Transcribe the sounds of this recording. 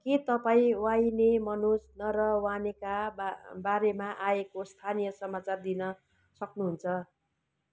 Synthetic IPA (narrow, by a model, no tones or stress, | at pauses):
kit̪ʌpaĩwajnemʌnusnʌɾʌwanekabaɾemaʔaekost̪ʰanijʌsʌmat͡sard̪inʌ | sʌknuɦunt͡sʰʌ